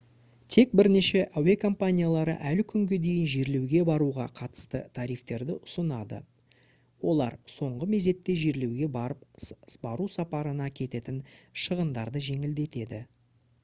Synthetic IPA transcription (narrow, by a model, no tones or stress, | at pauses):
t̪ʰe̞k̚bɪɾne̞ʃe̞ʔawekʰo̞mpanʲijalˠɑɾə̰ʔælkʲʰʏŋɡʲe̞d̪e̞jɪnʒeɾle̞wɡʲe̞bɑɾuʁɑ̰qʰɑt̪ə̥st̪ə̰t̪ʰɑɾijft̪e̞ɾd̪ɪʔʊsənɑd̪ə̰ | wo̞lˠɑ̰ɾso̞ɴʁəme̞ze̞t̪ːe̞ʒeɾle̞wɡʲe̞bɑɾəp̚bɑɾusɑpɑɾənɑkʲʰe̞t̪e̞t̪ɪnʃəʁənd̪ɑɾd̪əʒe̞ŋɪld̪e̞t̪e̞d̪ɪ